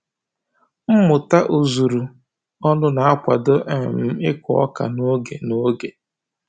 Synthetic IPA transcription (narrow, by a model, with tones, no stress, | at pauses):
m̩˦mʊ˨ta˦ʔu˨zu˨ɾu˨ | ɔ˦nʊ˦na˨a˦kʷa˨do˦ʔɛ˨m̩˦ɪ˦kʷʊ˨ɔ̰˦ka̰˨no˦ɡe˨no˦ɡe˨